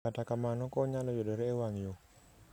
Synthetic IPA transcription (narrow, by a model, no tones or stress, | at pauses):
atakamanɔkɔɲalɔjodɔɾɛːwaŋjo